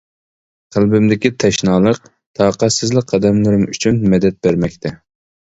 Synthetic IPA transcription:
qʰəlˠbɪmd̪ɪkʲit̪ʰɛʃnɑːlˠəq | t̪ʰɑːqæt̪sɪzlɪk̚ʲqʰɑd̪ɛmlɨɾɪmyt͡ʃʰynmɛd̪ɛt̪̚bæɾmɛkʲt̪ʰɛ

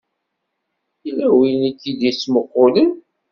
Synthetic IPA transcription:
ilæwinit̪ːid̪isːməqːolən

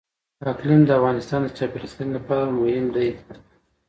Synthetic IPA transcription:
ɑklimd̪əafɣɑnɪst̪ɑnd̪ət͡ʃɑpeɾist̪ənlapɑɾamʊhɪmd̪aj

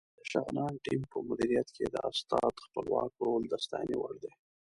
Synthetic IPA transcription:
d̪̥əʃaɣnɑnʈimpəmʊd̪iɾijat̪kʰed̪əʔast̪ɑt̪xpəlwɑkɾold̪ast̪ɑjnewaɽd̪e

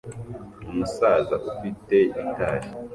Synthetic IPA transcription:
umusaːzaʔufite̞intaːʃi̥

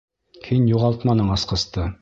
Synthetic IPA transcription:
kʰinjuʁɑlˠt̪mɑnɤɴɑsqɤ̆st̪ɤ

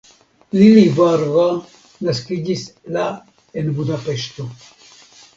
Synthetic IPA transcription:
lilivaɾɣa | naskid͡ʒisla | enbudape̞ʃto

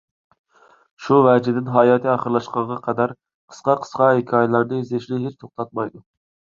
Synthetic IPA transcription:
ʃuvɛd͡ʒɪd̪ɪnɦɑːjɑːt̪ʰɨɑχəɾlˠɑʃqɑɴʁɑqʰɑd̪ɑɾ | qʰə̥sqɑqʰə̥sqɑɦekʲʰɑːjlˠɑɾnɨzeʃlɪɦet͡ʃt̪ʰoχt̪ʰɑt̪̚mɑjd̪u

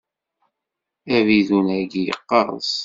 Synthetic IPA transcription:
æviðunæɡijə̰qːɑɾˤə̰s

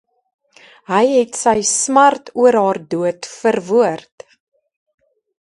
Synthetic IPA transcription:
ɦəjɦɛtsəjsmɐrtʰuəɾɦɑːrduətfərvuərt

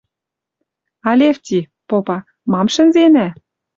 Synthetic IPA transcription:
ɑlʲeft̪ʲi | popɑ | mɑmʃɘ̆nzenæ

